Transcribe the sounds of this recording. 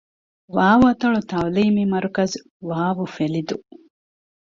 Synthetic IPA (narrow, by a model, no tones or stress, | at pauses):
ʋaːʋuɐt̪ɐɭut̪awliːmimɐɾukɐz | ʋaːʋufelid̪u